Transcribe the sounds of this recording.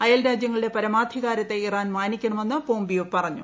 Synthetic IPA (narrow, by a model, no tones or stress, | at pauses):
ɐjɐlɾaːd͡ʑjɐŋːɐɭiɽe̞pɐɾɐmaːd̪ʱiɣaːɾɐt̪ːe̞iraːnmaːnikʲːɐɳɐme̞nːɨpo̞ːmbijopɐrɐɲːu